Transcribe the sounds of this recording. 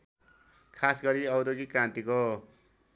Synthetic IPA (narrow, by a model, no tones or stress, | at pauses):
kʰasɡʌɾiʌwɾoɡikɾãnt̪iko